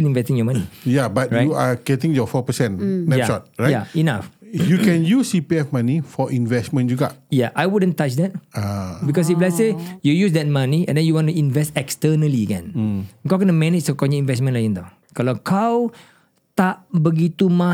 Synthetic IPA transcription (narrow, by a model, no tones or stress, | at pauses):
ĩnĩnvɛstĩŋjɔmanijabat̚ɹajuaɡɛtĩŋjɔfɔpəsɛ̃nnɛjaʃɔt̚ɹajaina̰fjukɛ̃njusipiɛfmanifɔʔĩnvɛsmə̃nd͡ʒuɡajaʔajwudə̃ntat͡ʃdɛt̚abikɔs̬iflasejujusdɛt̚maniɛ̃ndɛ̃njuwɔ̃ntuĩnvɛstɛkstənəliəɡɛ̰̃ñŋkaɡənəmɛnɪt͡ʃdəkɔ̃njəĩnvɛsmə̃nlajə̃nd̪a | kɔlɔ̃kʰaw | t̪aʔbəɡit̪uma